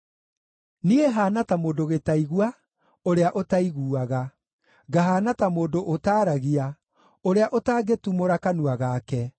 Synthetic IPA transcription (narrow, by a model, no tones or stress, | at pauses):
nieɦaːnatamoːdoɣetaiɣwa | oɾeaʔotaiɣuːaɣa | ɡaɦaːnatamoːndoʔotaːɾaɣia | oɾeaʔotaːɡetumoɾakanuaɣakɛ